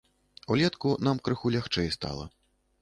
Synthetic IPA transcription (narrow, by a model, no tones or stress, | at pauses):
ulʲɛt̪kunamkɾɨxulʲaxt͡ʂɛjst̪a̰lˠɐ̰